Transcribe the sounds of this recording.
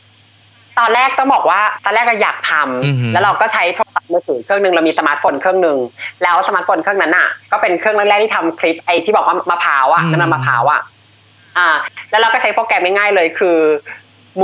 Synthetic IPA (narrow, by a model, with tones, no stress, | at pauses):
t̪ɔː˧nɾlɛː˥˩k̚t̪ɔ˥˩ŋbɔː˨˩k̚waː˥˩t̪ɔː˧nlɛː˥˩k̚ːɔ˧˩jaː˨˩k̚t̪ʰa˧mlɛː˦˥wɾa˧wkɔː˥˩t͡ɕʰa˦˥jtʰoː˧˩sa˨˩mɯː˧sɯː˩˦kʰɯ˥˩əŋnɯ˧ŋɾa˧wmiː˧sa˧maː˦˥t̪̚foː˧nkʰɯ˥˩əŋnɯ˧ŋlɛː˦˥wsa˧maː˦˥t̪̚foː˧nkʰɯ˥˩ə˨na˦˥nʔa̰˨˩kɔː˥˩pe˧nkʰɯ˥˩ŋlɯ˥˩k̚ɛː˥˩t̪ʰiː˥˩a˧mkʰli˦˥p̚ʔa˧jt̪ʰiː˥˩bɔ˨˩kwaː˥˩maː˧pʰaː˩˦wʔa˨˩ʔna˥˩ma˧maː˧˩pʰa̰ː˩˦wʔa̰˨˩ʔ | ʔaː˧˩lɛ˦˥ɾa˧wkɔː˥˩t͡ɕʰa˦˥jpʰoː˧kɛ˧mŋa˥˩jŋaː˥˩jlɤː˧jkʰɯː˧ | m